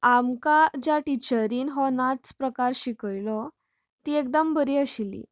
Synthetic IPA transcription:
amkad͡ʑjaʈit͡ɕəɾiːnɦɔnat͡spɾəkaɾɕikəɭlɔ | t̪iːek̚d̪əmbəɾiːəɕilḭ

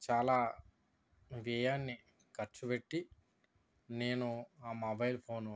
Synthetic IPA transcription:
t͡ʃaːlaː | ʋɛːjaːnːi | kɐɾt͡ʃubeʈːi | ne̞ːnuaːmɐbɐjlpʰoːn

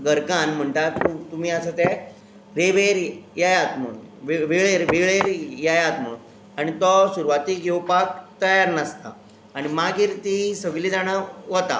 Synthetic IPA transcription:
ɡəɾkanm̤əɳt̪at̪t̪umiːəsət̪ɛ | ɾeʋeɾjajat̪m̤əɭunʋʋeɡɭeɾʋeɡɭeɾjajat̪m̤əɭn | aɽ̃it̪ɔsuɾuʋat̪iɡʱewpak̚t̪əjaɾnəst̪a̰ː | ɽ̃imaɡiːɾt̪isəɡliːd͡zaɽ̃aʋət̪a̰

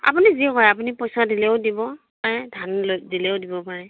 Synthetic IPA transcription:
a̰punizikɔjap̬unipɔjsadileʊdibɔ | paɹɛdʱanlozilɛwdibɔpaɹɛ

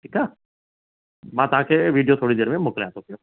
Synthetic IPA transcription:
ʈʰiːkaː | mãːt̪ãːkeʋiːɖijot̪ʰoːɽid̪eːɾmẽmokleãːt̪okjo

